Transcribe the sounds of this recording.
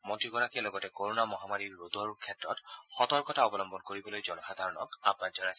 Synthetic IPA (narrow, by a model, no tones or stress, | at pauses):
motiɡɔɹakialɔɡɔtɛkoɹonamɔɦamaɹiɹːod̪ɔɹkʰːɛtɹɔ̰txɔtɔɹkɔtaɔbɔlɔmbɔnkoɹibɔlojzɔnɔxad̪ʱaɹɔnɔ̰kapazɔnajsɛ